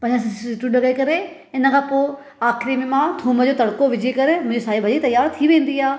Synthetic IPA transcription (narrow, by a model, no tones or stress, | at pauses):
pɐ̃ɲəssɪʈuɖɐɡekɐɾe | ɪnə̆kʰãːpoː | aːxɪɾimẽmãt̪ʰuːməd͡ʑoːt̪ɐɽkoʋɪd͡ʑekɐɾemʊ̃ɪ̃ɲd͡ʑisaːibʱɐd͡ʑit̪ɐjaːɾt̪ʰiʋẽːn̆d̪iaː